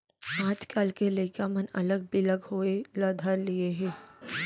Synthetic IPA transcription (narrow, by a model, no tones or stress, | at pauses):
ãːt͡ʃkaːlkelekamənɐ̰ləɡ̚bɪləɡɦoelad̪ʱaɾlieɦɛː